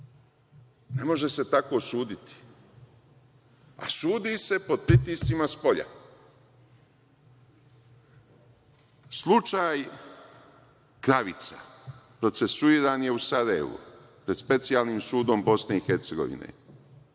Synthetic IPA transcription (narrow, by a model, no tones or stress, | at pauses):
ne̞mo̞ʒe̞se̞t̪ako̞suːd̪it̪i̥ | a̰suːd̪ise̞po̞d̪̚pɾit̪iːst̪simaspo̞ʎa̰ | slˠut͡ʃaːj | kɾaʋit̪sapɾo̞t̪se̞suiːɾanje̞usaːɾajḛʋṵ | pɾe̞d̪spe̞t̪sijalˠniːmsuːd̪ombo̞sne̞ixe̞ɾt̪seɡo̞̰ʋḭnḛ